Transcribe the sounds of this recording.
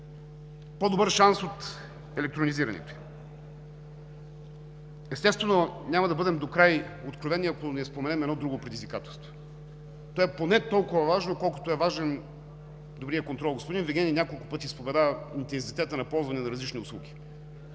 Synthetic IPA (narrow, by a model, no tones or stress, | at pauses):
pod̪obəɾʃansot̪ | ɛlɛk̚t̪ɾoniziɾɐ̰nɛ̰t̪o | ɛst̪ɛst̪vɛnonʲamɐd̪ɐbɤd̪ɛmd̪okɾajot̪kɾovɛniɐkonɛspomɛnɛmɛd̪ɔd̪ɾuɡopɾɛd̪izvikat̪ɛlˠst̪vo̥ | t̪ɔɛponɛt̪ɔlˠkʊvɐvaʒnokɔlˠkʊ̥t̪oɛvaʒɛn | d̪obɾijəkont̪ɾɔlˠɡospod̪inviɡʲɛninʲakolˠkʊpɤt̪ʲispovɛd̪aint̪ɛnsit̪ɛt̪ənɐpɔlˠzvɐnɛnɐɾɐzlit͡ʃniʊslˠuɡʲi̥